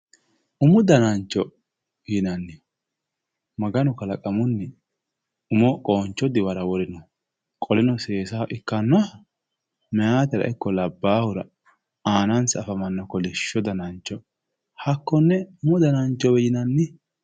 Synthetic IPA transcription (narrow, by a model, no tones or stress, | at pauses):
ʔʊmʊd̪ɐnɐnt͡ʃːɔ | jɪnɐnːɪ | mɐɡɐnɔkɐlɐkʼɐmʊnːɪ | ʊmɔkʼoːnt͡ʃːɔd̪ɪwɐɾɐwɔɾɪnɔ | kʼɔlɪnɔseːsaʔɪkːɐnːɔ | mɛjaːt̪ɪɾɐ̰ʔɪkːɔlɐbːaːhʊɾɐ̰ | aːnɐnsɐfɐmɐnːɔkɔlɪʃːɔd̪ɐnɐnt͡ʃːɔ | hɐkːɔnːɛʊmʊd̪ɐnɐnt͡ʃːɔwɛjɪnɐnːɪ